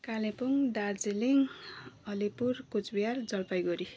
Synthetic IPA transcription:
kalẽpuŋd̪ard͡ziliŋʌlipurkut͡sbijard͡zʌlpajɡʌɾi

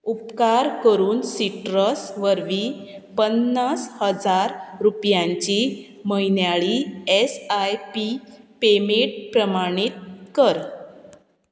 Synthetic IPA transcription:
up̚kaɾkəɾuːnsiʈɾəsʋəɾʋipənːashəd͡zaɾɾupjãɲt͡ɕi | məinjaɭiesajpipemeʈ̚pɾəmaɽ̃it̪̚kəɾ

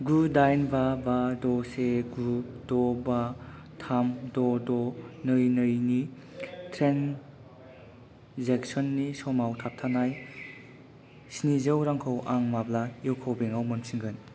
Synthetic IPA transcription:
ɡudajnbabadɔseɡɾup̚dɔba | tʰamdɔdɔnɯjnəjni | tʰɾen | zeksɔnːisɔmawtʰap̚tʰanaj | sinizɯwɾaŋkʰowʔaŋmablaiwkʰowbeŋawmɐmsiŋɡɯn

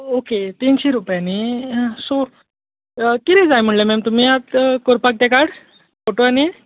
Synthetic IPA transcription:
oket̪iːnɕeɾupjaniso | k̪iɾɛ̃d͡zajm̤əɳlemɛmt̪um̤iat̪koɾpak̚t̪ekaɽ | foʈoani

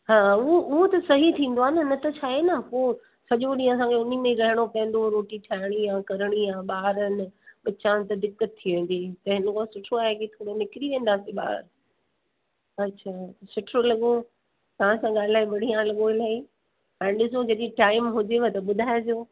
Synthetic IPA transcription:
ɦãːʊɦoʔʊɦot̪ɐsɐɦit̪ʰĩːnd̪oaːnɐnɐt̪ɐt͡ɕʰaːɦenəpoː | sɐʄoɗĩɐs̬ãkʰeʊnimẽĩɾɐɦəɽ̃opɐə̃n̆d̪oɾoːʈiʈʰaːɪɽ̃ijãkɐɾəɽ̃ijãːɓaːɾənɪ̆ɓɐt͡ɕãt̪ɐd̪ɪkːət̪̚ʰːiʋẽːn̆d̪iːt̪ɐɦɪnkõsʊʈʰoaːɦekit̪ʰoːɽonɪkɾiʋẽːn̆d̪aːseɓa̰ːɾ | ɐtːɕʰaːsʊʈʰolɐɠo | t̪ɐʋ̤ãsãɠaːlɪlaːibɐɽ̤ijãlɐɠoilaːi | ɛ̃ːɗɪs̬õd͡ʑɐɗĩʈaːɪmɦʊd͡ʑeʋɐt̪ɐɓʊd̪ʱaːjed͡ʑoː

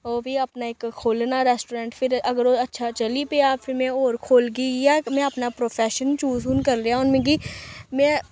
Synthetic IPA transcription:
oːbʱiɐpnaeːkkʰːoːlnaɾɛːsʈoːɾɛ̃ːɳʈpʰɪɾɐɡəɾoːɐtːʃʰat͡ʃəlipeapʰɪɾmɛ̃oːɾkʰoːlɡijamɛ̃ɐpnapɾoːpʰɛːʃənt͡ʃuːzunkɐɾɾejaʊnmẽːɡimɛ̃ː

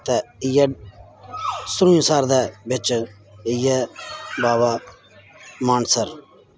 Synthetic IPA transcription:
t̪ɛːɪjɛ | sʊɾũːĩsaːɾd̪ɛbɪt͡ʃ | ɪjɛbaːba | maːnsəɾ

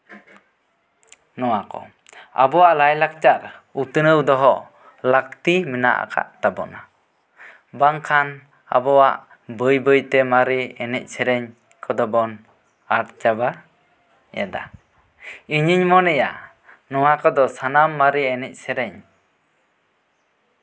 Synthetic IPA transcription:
nɔwakɔ̰ | a̰bɔwaʔlajlak̚t͡ʃaɾut̪ənəwd̪ɔɦɔ | lak̚t̪imina̰ʔa̰ka̰ʔt̪abɔ̰ʔna | baŋkʰan | a̰bɔwaʔ | bəjbəjt̪ɛmaɾiɛnɛ̰c̚sɛɾɛɲ | kɔd̪ɔbɔn | aɾt͡ʃaba | jɛ̰d̪a̰ | iɲiɲmɔnɛja̰ | nɔwakɔd̪ɔsanamːaɾiɛnɛc̚sɛɾɛɲ

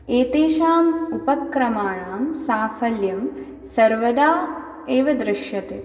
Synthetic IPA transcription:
eːt̪eːʃaːmupɐkɾɐmaːɳaːmsaːfʰɐljɐm | sɐɾʋɐd̪aː | eːʋɐd̪ɾɪʃjɐt̪e

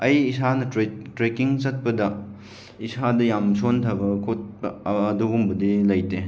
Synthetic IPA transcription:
ɐjisanɐɾetɾekiŋt͡ʃɐt̚pɐdɐ | isadɐjamsontʰɐbɐkʰot̚bɐdoɡumbɐdilɐjte

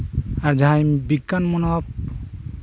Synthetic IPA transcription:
aɾd͡ʒaɦajbiɡːanmɔnap̚

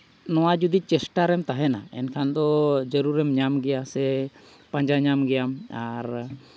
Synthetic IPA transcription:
nɔwad͡ʒud̪it͡ʃɛsʈaɾɛmt̪aɦɛna̰ɛ̰nkʰand̪ɔd͡ʒəɾuɾɛmɲamɡɛjasɛ | pãɲd͡ʒaɲamɡɛjamaɾ

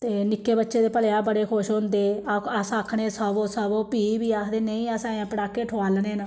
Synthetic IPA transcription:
t̪eːnɪkːeːbətːʃeːd̪eːpəlejãːbəɽeːkʰʊʃɦʊ̃nd̪eːəsaːkʰɽeːsəbõːsəbõːpiːbiːaːkʰd̪eːneĩːəsãːãːpəɽaːkːeːʈʰoaːlneːnə

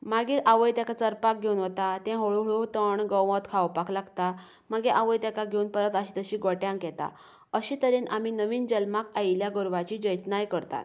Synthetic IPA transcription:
maɡiːɾʔaʋəjt̪jakat͡səɾpak̚ɡʱeunɦot̪at̪ɛ̃ɦoɭoɦɭot̪əɳɡə̃wʋət̪kʰawpakʰlaɡt̪a | maɡeʔaʋəjt̪jakaɡʱeunpəɾət̪əɕiːt̪əɕiːɡɔʈjãŋkɛt̪a̰ | əɕiːt̪əɾiːnaminəʋiːnd͡ʑəlmakajljaɡəɾʋat͡ɕiːd͡ʑəjt̪najkəɾt̪a̰t̪

